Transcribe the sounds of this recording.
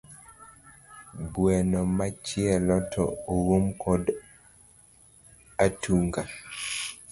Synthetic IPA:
bwɛnɔmat͡ʃɪɛlɔtʰɔowumkʰɔd | atʰuŋɡa

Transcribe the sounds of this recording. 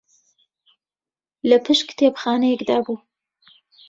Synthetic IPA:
ləpʰɨʃkt̪ʰeːpxɑːnajɛkd̪ɑːbuː

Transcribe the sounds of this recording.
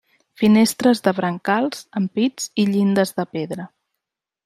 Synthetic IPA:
finest̪ɾəzðəβɾəŋkalˠzəmpid͡ziʎind̪əzðəpeðɾə

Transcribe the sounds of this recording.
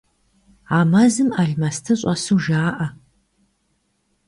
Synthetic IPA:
aːmɐzɨmɐɮmɐstʰɐɕʼɐsuːʒaːʔɐ

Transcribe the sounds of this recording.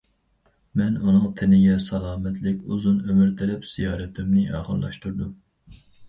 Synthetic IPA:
mɛnunɨŋt̪ʰɪnɪɡʲɛsɑlˠɑːmɛt̪ʰlɪkʲuzunømyɾt̪ʰɪɾɪpz̥ijɑːɾɛt̪ʰɪmnɪʔɑ̰ːχəllˠɑ̰ʃt̪uɾd̪u

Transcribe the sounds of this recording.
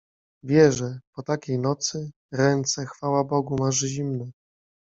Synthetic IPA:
vʲjɛʐɛpɔt̪akʲejnɔt̪sɘ | ɾɛnt̪sɛxfawabɔɡumaʐʑimnɛ

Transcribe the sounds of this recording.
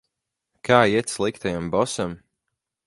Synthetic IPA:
kʰaːiɛt̪slˠikt̪ajambɔsam

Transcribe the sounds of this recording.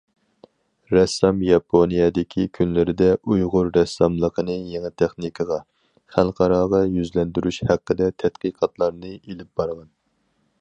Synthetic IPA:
ɾɛsːɑmjɑpʰonijɛd̪ɪkʲʰikʲʰynlɪɾɪd̪ɛʔujʁʊɾːɛsːɑmlˠəqʰənɨjeŋɨt̪ʰæχnɨkʰəʁɑ | χælˠqʰɑɾɑːʁɑjyzlɛnd̪yɾyʃhæqːəd̪ɛt̪ʰɛd̪qəqʰɑt̪lˠɑɾnɨelɪp̚b̥ɑɾʁɑn

